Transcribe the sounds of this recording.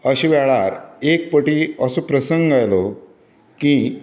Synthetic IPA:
əɕiʋɛɭaɾek̚pəʈiːəsopɾəsəŋɡajlo | kĩ

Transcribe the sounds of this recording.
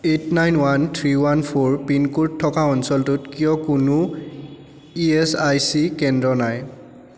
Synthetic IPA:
etnajnwantʰɹiwanpʰoɹpinkuɹtʰːɔkaɔnsɔltutkijɔkunu | iɛsajsikɛndɹɔnaj

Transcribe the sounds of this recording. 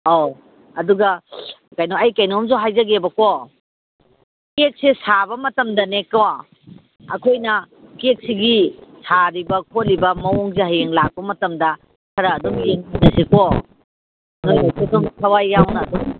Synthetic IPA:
oː | duɡɐkajnoɐjkajnomzoɦajzɐɡebɐko | kek̚sesabɐmɐtɐmdɐneko | ɐ̰kʰojnɐ | kek̚siɡisaɾibɐkʰolibɐmɐɔŋzeɦajeŋlak̚pɐmɐtɐmdɐ | kʰɐɾɐːdɔmjeŋinɐseko | nojasesɔŋsʰɐwajːawnɐːdɔŋ

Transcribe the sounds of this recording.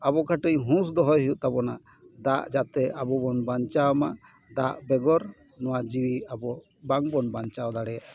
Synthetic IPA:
abɔkʰaʈəjɦũs̬d̪ɔɦɔjɦiuʔt̪abɔna | d̪aʔd͡ʒat̪ɛʔabɔbɔnbant͡ʃawma | d̪aʔbɛɡɔɾ | nɔwad͡ʒiwiabɔ | baŋbɔnbant͡ʃawd̪aɽɛjaʔ

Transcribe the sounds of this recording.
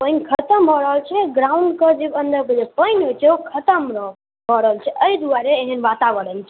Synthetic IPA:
pə̃jnkʰət̪əmbʱɔɾəɦəlt͡ʃʰɛɡɾauɳɖkəɾd͡ʒebənd̪əɾked͡ʒepəjnɦojt͡ʃʰɛukʰət̪əmɾə | bʱəɾəɦəlt͡ʃʰɛʔəid̪uaɾeːɦənbat̪aβəɽəlt͡ʃʰ

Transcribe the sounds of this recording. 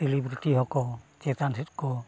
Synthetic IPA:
selibɾitiɦɔkɔt͡ʃet̪ansit̚kɔ

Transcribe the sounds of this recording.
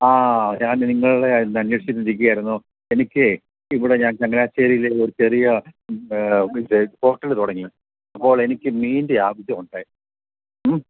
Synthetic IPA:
aːɲaːnniŋːɐɭuɽenːɐnjeʂjɐt̪ːɨmt͡ɕik̬ʲːuɣɐaːjiɾunːu | e̞nikʲːɨ | iʋiɽeɲaːnt͡ɕɐŋːɐlaːt͡ɕːeːɾijileo̞ɾut͡ɕe̞rijɐ | iðɨho̞ːʈːɐlt̪uɽɐŋːi | ɐpːo̞ːɭe̞nikʲːɨmiːndeaːʋɐɕjɐmuɳɖaːji

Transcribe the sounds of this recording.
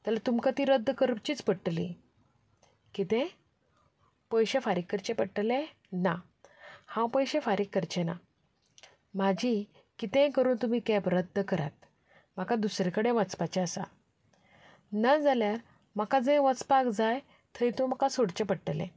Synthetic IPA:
t̪alat̪umkat̪iːɾəd̪ʱːkəɾpt͡ɕiːt͡spəɽʈlḭ | kit̪ɛ̃ | pəjɕefaɾikːəɾt͡ɕẽpəɽʈlẽ | na | hãwpəjɕẽfaɾikːəɾt͡ɕena̰ | mad͡ʑʱi | kit̪ɛ̃kəɾuːnt̪um̤iːkɛpɾəd̪ʱːəkəɾa̰t̪̚ | m̤akad̪usɾekəɽẽʋət͡spat͡ɕeəsa̰ | nad͡zaljaɾ | m̤akad͡zẽʋət͡spakd͡zaj | t̪ʰəit̪um̤akasoɽt͡ɕepəɽʈlḛ̃

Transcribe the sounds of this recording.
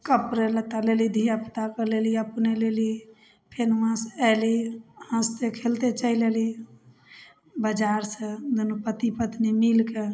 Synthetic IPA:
kəpɾelət̪alelid̪ʱijapi̥t̪akəleliəpneleli | pʰenʋãsɛlihə̃st̪ekʰelt̪et͡ʃəileli | bəd͡ʒaɾsə̃d̪unəpət̪ipət̪nimilke

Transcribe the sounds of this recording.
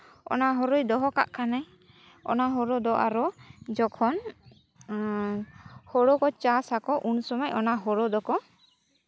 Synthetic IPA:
ɔ̰naɦɔɾɔjd̪ɔɦɔka̰ʔkʰana | ɔ̰naɦɔɾɔd̪ɔʔaɾɔd͡ʒɔkʰɔn | hɔɽɔkɔt͡ʃasakɔʔunsɔmajʔɔnaɦɔɾɔd̪ɔkɔ

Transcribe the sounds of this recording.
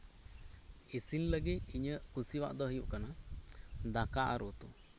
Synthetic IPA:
isinləɡiiɲəkusiwa̰ʔd̪ɔɦəjuʔkana | d̪akaʔa̰ɾɔt̪u

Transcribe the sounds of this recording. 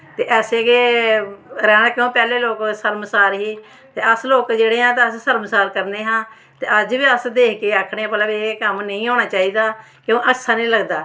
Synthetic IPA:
t̪eːʔɛːseːɡeː | ɾɛːnãːkɪõːpɛːleːloːksəɾmsaːɾɦiː | t̪eːəsloːkd͡ʒeːɽeːãːt̪aːəssəɾmsaːɾkəɾneːɦãː | t̪eːʔəd͡ʒʋiːəsd̪eːkʰkeːaːkʰɽeːãːpət̪ləbkəmnə̃ĩːɦoːɽ̃aːt͡ʃaːiːd̪aː | kɪõːʔəksʰaːnĩːləɡd̪aː

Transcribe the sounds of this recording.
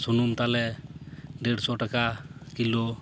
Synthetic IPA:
sunumt̪alɛ | deɽsɔʈakakilɔ

